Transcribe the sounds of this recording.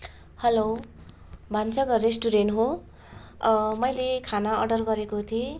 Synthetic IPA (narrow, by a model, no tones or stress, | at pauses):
hʌlow | bʱant͡sʌɡʌɾesʈuɾenɦo | mʌjlekʰanaʌ̰ɖʌrɡʌɾekot̪ʰie